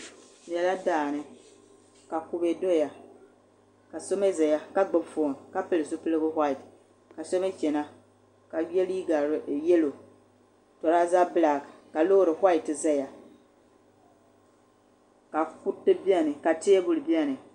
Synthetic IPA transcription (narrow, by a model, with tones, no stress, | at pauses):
jɛ˨la˦daː˨nɨ˦ | ka˨ku˨be˨do˦ja˨ | ka˨so˦me˦zɛ˨ja˦ka˦ɡ͡bɨ˦bfoː˨n˨ka˦pɨ˦lɨ˨zʊ˦pɨ˦lɨ˦bʊ˦hʷa˦i˨t | ka˨so˦me˦t͡ʃɛ˨na˦ | ka˨˦ɛ˦li˦i˦ɡa˨ɾjɛ˦lo˨ | tɔ˨ɾa˦za˦bɨ˦la˨ɡka˨lo˦˨ɾɨ˨ha˦i˨tɨ˨zɛ˦ja˨ | ka˨ku˦tːɨ˦bi˦a˦˨nɨ˨ka˨tɪ˦e˦bʊ˨lɨ˨bi˦ɛ˦nɨ˨